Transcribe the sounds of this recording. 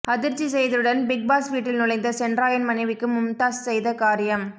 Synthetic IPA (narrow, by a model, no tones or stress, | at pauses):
ɐðɪɾt͡ʃːisɛjðɯɽɐnbɪɡ̚baːsʋiːʈːɪlnʊlɐɪnd̪ɐsɛɳɖraːjɐnmɐnɐɪʋɪkːɯmʊmt̪aːssɛjðɐkaːɾɪjɐm